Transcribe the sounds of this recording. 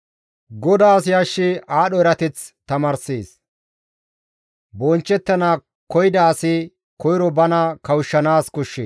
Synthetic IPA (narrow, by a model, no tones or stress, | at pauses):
ɡɔd̪aːsjaʃːɪaːɗɔɛɾɐt̪ɛt͡st̪ɐmaːɾseːs | bɔnt͡ʃːɛt̪ːɐnaː | kɔjd̪ɐːsɪ | kɔjɪɾɔbɐnɐkɐwʊʃːɐnaːskʊʃːeː